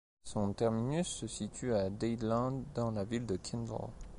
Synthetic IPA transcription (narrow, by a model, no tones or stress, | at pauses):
sɔ̃t̪ɛʁminysːəsit̪ʰyad̪ɛjd̪lɑ̃d̪d̪ɑ̃lavild̪əkʲʰɛ̃nd̪ɔ̰l